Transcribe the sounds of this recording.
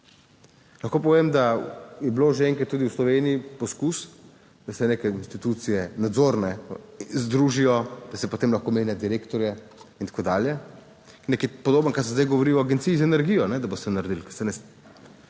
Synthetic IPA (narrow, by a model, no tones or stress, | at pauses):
lɐxkoːp̬ɔʋemd̪ajɛbloːʒeɛŋkɾat̪ːuːd̪iuwslɔʋeːniipɔskus | d̪̥asɛneːkɛinst̪it̪ut̪sijɛnad̪zoɾnɛzd̪ɾuːʒijɔd̪̥asɛpot̪eːmlaxkomeːnjad̪iɾekt̪ɔɾjɛ | int̪ḁkoːd̪aːljɛ | nekipɔd̪oːbənkaɾsɛzd̪ajɡɔʋoɾiɔaɡent̪sijizaɛnɛɾɡiːjɔnɛd̪abost̪ɛnaɾd̪ilkasɛnɛs